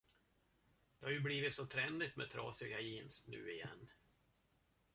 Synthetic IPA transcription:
d̪̥ɛhaɾjɵbliːvɪt̪sɔt̪ʰɾɛnd̪ɪt̪mɛt̪ʰɾɑ̰ːsɪɡajiːnsnʉ̟̰ːɪjɛ̰nː

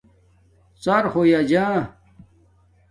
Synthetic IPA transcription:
t͡saɾxojad͡ʑãː

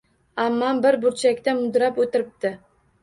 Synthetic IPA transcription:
amːanbɪɾbʊɾt͡ʃʰakʲt̪amʊd̪ɾapɵt̪ɪɾɪp̚t̪ɪ

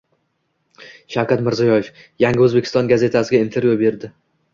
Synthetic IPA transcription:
ʃawkʰʲat̪mɪɾzijɒjef | jaŋʲɪɵzbe̞kʲʰɪst̪ɒnɡaze̞t̪ʰasɪɡʲaint̪ʰe̞ɾvjybe̞ɾd̪ɪ

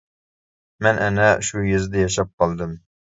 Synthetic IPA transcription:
mɛnʔɛnɛʃujezd̪ɛjɑʃɑp̚qɑlˠd̪ɨm

